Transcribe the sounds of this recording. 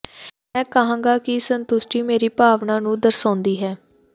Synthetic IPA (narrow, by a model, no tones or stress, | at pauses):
mɛ̃ːkəɦãːŋɡaːkɪsənt̪ʊsʈiːmeːɾiːpaːʋnaːnũːd̪əɾsaːnd̪iːɦɛː